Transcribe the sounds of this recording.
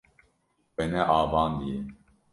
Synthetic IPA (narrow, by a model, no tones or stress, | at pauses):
wɛnɛʔaːvɑːnd̪ije